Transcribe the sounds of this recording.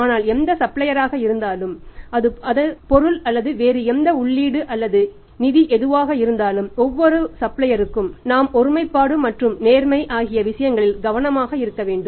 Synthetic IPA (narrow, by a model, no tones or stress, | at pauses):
aːnaːlɛnd̪ɐsɐplɐjɐɾaːɣɐɪɾɯnd̪aːlɯmɐðɯɐðɐpɔɾɯlɐlːɐðɯʋeːɾɯɛnd̪ɐʊɭːiːɽɯʔɐlːɐðɯ | nɪðiʔɛðɯʋaːɣɐɪɾɯnd̪aːlɯmɔʋːɔɾɯsɐplɐjɐɾɯkːɯmnaːmɔɾɯmɐɪpːaːɽɯmɐʈrɯmneːɾmɐɪʔaːɣɪjɐʋɪʂɐjɐŋɡɐɭɪlɡɐʋɐnɐmaːɣɐɪɾɯkːɐʋeːɳɖɯm